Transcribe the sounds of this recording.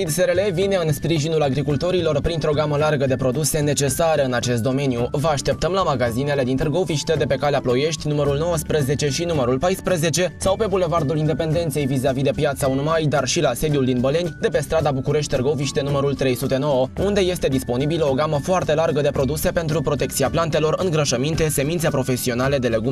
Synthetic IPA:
id̪seɾele̞vine̞ɨnspɾiʒinulaɡɾikult̪o̞ɾilo̞rpɾint̪ɾo̞ɡaməlarɡəd̪e̞pɾo̞d̪use̞ne̞t͡ʃe̞saɾəɨnat͡ʃe̞st̪d̪o̞me̞njuvəaʃt̪e̞p̚t̪əmlamaɡazine̞le̞d̪int̪ərɡo̞viʃt̪ed̪e̞pe̞kaleaplo̞je̞ʃt̪ʲnuməɾulno̞wəspɾəze̞t͡ʃe̞ʃinuməɾulpajspɾəze̞t͡ʃe̞sawpe̞bule̞vard̪ulind̪epe̞nd̪e̞nt̪se̞jvizavid̪e̞pjat̪saunmajd̪arʃilase̞d̪iuld̪inbəle̞nʲd̪e̞pe̞st̪ɾad̪abukuɾe̞ʃ̬t̪ʲt̪erɡo̞viʃt̪enuməɾult̪ɾe̞jsut̪e̞no̞wəund̪e̞je̞st̪e̞d̪ispo̞nibiləo̞ɡaməfoart̪e̞larɡəd̪e̞pɾo̞d̪use̞pe̞nt̪ɾupɾo̞t̪e̞k̚t̪siaplant̪elo̞rɨŋɡɾəʃəmint̪e̞se̞mint̪sepɾo̞fe̞sio̞nale̞d̪e̞le̞ɡum

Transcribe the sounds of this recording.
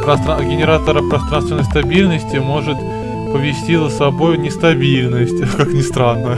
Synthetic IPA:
pɾɐst̪ɾaɡʲɪnʲɪɾat̪əɾəpɾɐst̪ɾant̪vʲɪnəjst̪ɐbʲilʲnəsʲtʲɪmo̞ʐɨt̪ | pəvʲɪsʲtʲizəsɐbo̞jnʲɪst̪ɐbʲilʲnəsʲtʲkaknʲɪst̪ɾanːə

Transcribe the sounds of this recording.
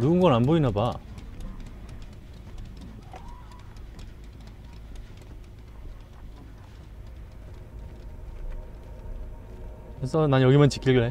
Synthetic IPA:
ɾuɯnɡʌnanboinaba | kesʰʌnanjʌɡimʌnt͡ɕi̥k͈ʰilɡɯɭe

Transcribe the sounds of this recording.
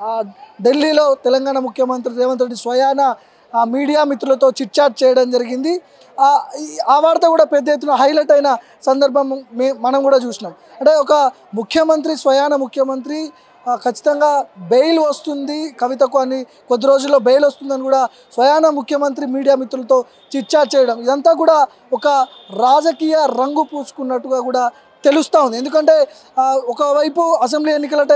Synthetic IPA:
ɖelːiːlo̞ːt̪ɛlɐŋɡaːɳɐmukʰjɐmɐnt̪ɾiɾeːʋɐnt̪ɾɐʈɖisʋɐjaːnɐ | miːɽijaːmit̪ːɾulɐt̪o̞ːt͡ʃiʈ̚t͡ʃaːɾʈ̚t͡ʃɛːjɐɽɐmd͡ʒɐɾiɡind̪i | aːʋaːɾt̪ɐkuːɽaːpɛd̪ːɐjet̪ːunɐɦɐjleʈɐjnɐ | sɐnd̪ɐɾbʱɐmːmɐnɐmkuːɽaːt͡ʃuːsinaːm | ɐɳʈe̞ːɔkɐ | mukʰjɐmɐnt̪ɾisʋɐjaːnɐmukʰjɐmɐnt̪ɾi | kɐt͡ʃːi̥t̪ɐŋɡaːbejluʋɐst̪und̪ikɐʋit̪ɐkuɐni | kod̪ːiɾo̞ːd͡ʒulːo̞ːbejlost̪und̪ɐnikuːɽaː | sʋɐjaːnɐmukʰjɐmɐnt̪ɾimiːɽijaːmit̪ɾulɐt̪o̞ː | t͡ʃiʈ̚t͡ʃaːʈ̚t͡ʃɛːjɐɽɐmid̪ɐnt̪aːk̬uːɽaː | ɔkɐ | ɾaːd͡ʒɐkiːjɐɾɐŋɡupuːsu̥kunːɐʈːuɡaːkuːɽaː | t̪e̞lust̪aːwund̪e̞nd̪ukɐɳʈe̞ː | ɔkɐʋɐjpuɐs̬e̞mbliːenːikɐlɐʈɐ

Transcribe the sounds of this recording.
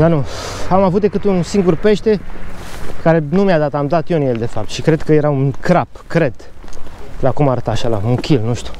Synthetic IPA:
d̪anu | amavut̪̚d̪ekɨt̪unsiŋɡurpe̞ʃt̪e̞ | kaɾe̞numjad̪at̪amd̪at̪jeɨnjeld̪e̞fap̚t̪ʃikɾe̞d̪kəje̞ɾaunkɾapkɾe̞d̪̥ | lakumaɾət̪aʃala̰uŋkʰʲilnuʃt̪ʲu̥

